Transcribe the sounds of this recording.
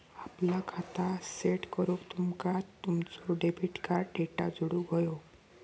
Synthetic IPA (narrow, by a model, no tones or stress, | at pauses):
aplakʰat̪aseʈkəɾokt̪umkat̪ːumt͡sɔɖebʱiʈkaɾɖeʈa̰d͡zuɽuɡʱəjo